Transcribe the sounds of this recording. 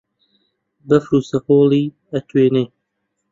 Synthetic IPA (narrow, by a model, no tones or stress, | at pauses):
bɐfɾuːsɐqoːliː | ɐt̪ʰweːneː